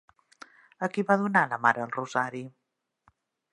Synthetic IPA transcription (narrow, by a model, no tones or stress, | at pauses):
əkiβaðunaləmaɾəːlruzaɾi